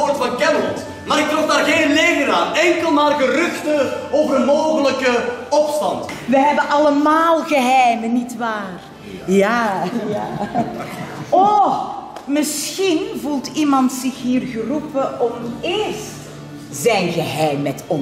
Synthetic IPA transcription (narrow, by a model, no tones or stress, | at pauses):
oːrtfɑnkɛməlɔnt | maːɾɪk̚trɔxdaːrɣeːnleːvəɾaːnɛŋkəlˠmaːrɣəɾʏxtəoːvərdənmoːɣələkəɔpstɑ̰ntʋəɦɛbənʔɑləmaːlˠɣəɦɛjmənitʋaːr | jaːjaː | ɔ | mɪsxinvulˠtimɑntsɪxɦiːrɣərupəʔɔmɪːrst | zɛjnɣəɦɛjmːɛtɔn